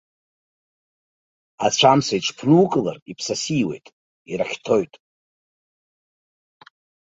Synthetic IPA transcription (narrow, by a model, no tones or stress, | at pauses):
at͡ɕʷʰamsaiʈ͡ʂʷʰpʰrukʼla̰ripʰsasiwe̞̰jtʼ | iɾaχʲtʰo̞jtʼ